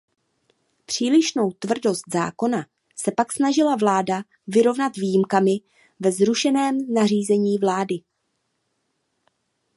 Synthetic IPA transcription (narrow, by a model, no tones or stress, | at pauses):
pr̝̥iːlɪʃno̞wt̪vr̩do̞st̪za̰ːko̞na | sɛpaksnaʒɪlavlaːda | vɪɾo̞vnat̪viːjɪmkamɪ | vɛzɾuʃɛnɛːmnariːzɛɲiːvlaːdɪ